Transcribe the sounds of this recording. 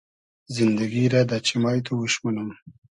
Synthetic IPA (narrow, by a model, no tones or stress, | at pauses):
zɪnd̪aɡiɾad̪at͡ʃɪmɑjt̪ʰowuʃmanəm